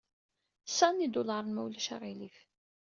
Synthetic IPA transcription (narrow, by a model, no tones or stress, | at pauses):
sɑnid̪ulɑɾˤnmæwlæʃa̰ʁilif